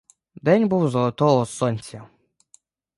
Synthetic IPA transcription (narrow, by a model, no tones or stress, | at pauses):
d̪ɛnʲbuwzɔlˠɐt̪ɔɦɔsɔnʲt͡sʲːɐ